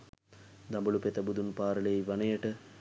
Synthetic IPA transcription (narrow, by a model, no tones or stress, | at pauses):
d̪ɐmbɐlupet̪ɐbud̪unpaːɾɐlejiʋɐnɐjəʈə